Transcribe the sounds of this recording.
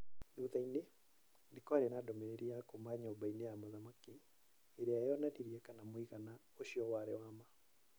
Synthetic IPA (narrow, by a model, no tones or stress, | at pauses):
duðaine | ndekɔaɾenadɔmɛɾeɾiakomaɲɔbainejamaðamakiː | ɾeajɔnaɾiɾiɛkanamwiɣana | oʃiɔwaɾɛ̰wama